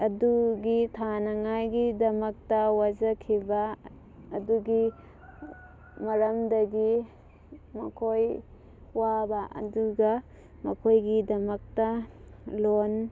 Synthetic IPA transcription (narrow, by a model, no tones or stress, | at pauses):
ɐduɡitʰanɐŋajɡidɐmɐk̚tɐwad͡ʒɐkʰibɐː | duɡi | mɐɾɐmdɐɡi | mɐ̰kʰoj | wabɐʔɐ̰duɡɐ | mɐkʰojɡidɐmɐk̚tɐ | lon